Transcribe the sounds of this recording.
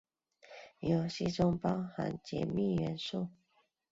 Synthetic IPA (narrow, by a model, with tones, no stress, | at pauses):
jo˨˩ʊɕi˥˩ʈ͡ʂʊ˥ŋpɑ˥ʊxa̰˧˥nt͡ɕjɛ̰˧˥mi˥˨ɥɛ˧˥nʂu˥˨